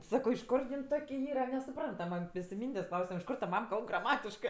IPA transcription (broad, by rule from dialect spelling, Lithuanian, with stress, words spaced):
ˈsɑːkoː ɪʃ ˈkʊr jɪn ˈtoːkʲ ˈiːrɐ nʲɛsʊˈprɐntɐmɜ ˈmʲɛs ɪ ˈmʲiːnʲdʲeːsʲ ˈklˠɐʊsʲɛm ɪʃ ˈkoːr tɐ ˈmɐm ˈkɐlˠp ɡrɐˈmɑːtʲɪʃkɜ